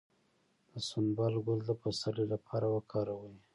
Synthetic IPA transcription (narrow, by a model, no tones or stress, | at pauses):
d̪̥əsʊmbɑlɡʊld̪əpasalelapʰɑɾawəkʰɑɾawəi